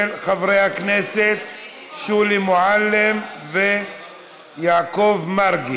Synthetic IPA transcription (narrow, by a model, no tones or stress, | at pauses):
elχavʁejhakneset̪̚ | ʃulimoʕalːemve | jaːko̞vmaʁɡi